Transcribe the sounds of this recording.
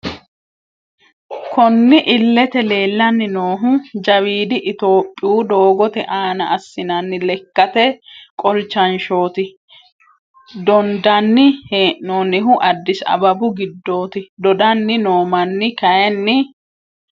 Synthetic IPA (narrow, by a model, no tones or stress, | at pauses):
kʰɔnːɪʔɪlːɛt̪ɛle̞ːlːɐnːɪnoːɦʊd͡ʒɐwiːd̪ɪʔɪt̪o̞ːpʼːɪjuːd̪o̞ːɡɔt̪ɛʔaːnɐ̰ʔːsːɪnɐnːɪlɛkːɐt̪ɛkʼɔlt͡ʃːɐnʃo̞ːt̪ɪ | d̪ɔnd̪ɐnːɪheːʔnonɪɦʊʔɐd̪ːɪsɐ̰bɐbʊɡɪd̪ːo̞ːt̪ɪd̪ɔd̪ɐnːɪnoːmɐnːɪkɐjɛnːɪ